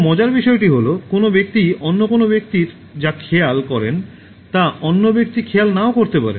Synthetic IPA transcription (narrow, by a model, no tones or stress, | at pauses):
mɔd͡ʑaɾbiʃɔeʈiɦolokonobek̚t̪ionːokonobek̚t̪iɾ | d͡ʑakʰɛalkɔɾen | t̪aonːobek̚t̪ikʰɛalnaokoɾt̪epa̰ɾḛ